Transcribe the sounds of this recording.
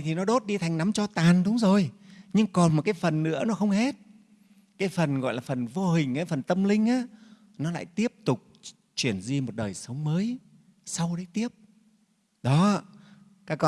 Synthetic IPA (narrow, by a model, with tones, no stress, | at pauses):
t̪ʰi˨˩nɔ˨˦ɗo˦˥t̚ɗi˧t̪ʰa˨˩jŋna˨˦mt͡ɕɔ˧t̪aː˨˩nɗʊ˨˦wŋ͡mzo˨˩jɲɨ˧ŋkɔ˨˩nm̚˨˩kaː˨˦jfə˨˩nːɨ̰˧˥ənɔ˨˦xə˧wŋ͡mhe˦˥t̚ | kaː˨˦jfə˨˩nɣɔ̰˧˨jlaː˨˩fə˨˩nvo˧ɦï˨˩ŋ̟aː˨˦jfə˨˩nt̪ə˧mlï˧ŋ̟ʔaː˨˦ | nɔ˨˦la̰ː˧˨jt̪i˦˥əp̚t̪ʊ˨˩k͡p̚ | t͡ɕwi˧˩ənzi˧mo˨˩t̚ɗəː˨˩jsə˨˦wŋ͡mməː˨˦j | sa˧wɗə˨˦jt̪i˦˥əp̚ | ɗɔ˨˦ | kaː˦˥kɔ˧